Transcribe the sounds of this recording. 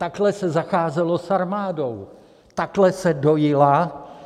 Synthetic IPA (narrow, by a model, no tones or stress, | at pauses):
t̪aklɛsɛzaxaːzɛlo̞saɾmaːdo̞w | t̪aklɛsɛdojɪla